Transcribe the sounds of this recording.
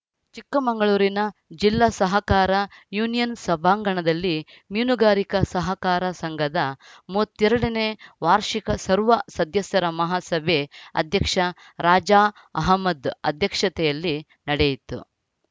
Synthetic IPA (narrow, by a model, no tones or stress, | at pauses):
t͡ʃikːɐmɐŋɡɐɭuːɾinɐd͡ʒilːasɐɦɐkaːɾɐjuːnijɐnsɐbʱaːŋɡɐɳɐd̪ɐlːi | mjuːnuɡaːɾikɐsɐɦɐkaːɾɐsɐŋɡʱɐd̪ɐmuɐt̪ːɛɾɐɽɐneʋaːɾʂikɐsɐɾʋɐsɐd̪ʱjɐsjɐɾɐmɐɦaːsɐbʱeɐ̰d̪ʱjɐkʂɐ | ɾaːd͡ʒaː | ɐɦɐmːɐd̪ɐ̰d̪ʱjɐkʂɐt̪ɛjɐlːi | nɐɽejit̪ːṵ